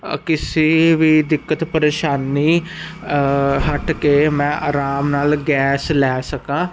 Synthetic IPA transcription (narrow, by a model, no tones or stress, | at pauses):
kɪseːʋiːd̪ɪkːət̪pəɾeːʃaːniː | ɦəʈkeːmɛ̃ːʔaːɾaːmnaːlɡɛːslɛːsəkãː